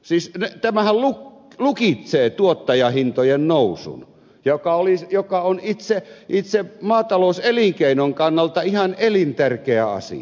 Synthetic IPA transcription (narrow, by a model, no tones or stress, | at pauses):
siːsnet̪æmæhælluk | lukit̪seːt̪uot̪ːɑjɑhint̪ojennousṵn | jokɑolisjokɑonit̪seʔit̪semɑːt̪ɑloˑuseliŋkeinoŋkɑnːɑlt̪ɑihɑnelint̪ærkeæɑ̰sḭɑ